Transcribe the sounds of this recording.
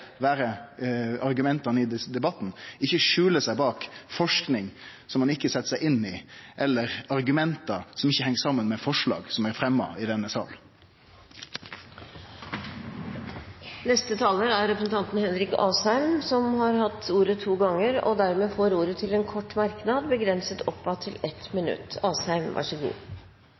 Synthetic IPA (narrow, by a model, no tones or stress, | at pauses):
ʋæːɾə | ɑɾɡʉmɛnt̪ɑnəɪd̪d̪ɛbɑt̪ːn̩ɪçːəʂʉːləsæɪbɑːkfɔʂknɪŋsɔmːɑnɪkːəsɛt̪ːə̥sæɪʔɪnːɪʔɛlːəɾɑɾɡʉmɛnt̪ɑsɔmɪçːəhɛŋːsɑmːənmɛfɔʂɭɑ̰ːɡsɔmæɾfɾɛmːɑ̰ɪd̪ɛnːəsɑ̰ːl | nɛst̪ət̪ʰɑːləɾæɾɾɛpɾəsn̩t̪ʰɑnt̪n̩hɛd̪ɾɪkɑ̰ːshæɪmsɔmhɑɾhɑt̪ːuːɾət̪ʰuːɡɑŋːəɾɔ̰d̪æɾmeːfoːɾuːɾət̪ʰɪlɛnkʰɔʈːmɑɾknɑd̪bəɡɾɛnsət̪ɔpːɑt̪ʰːɪlɛt̪mɪnʉ̰t̪ːɑːshæɪmʋæ̰ʂəɡṵː